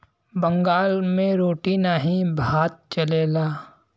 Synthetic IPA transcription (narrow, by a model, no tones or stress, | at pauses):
bə̃ŋɡaːlmẽɾoːʈinaɦĩbʱaːt̪̚t͡ʃəleːlaː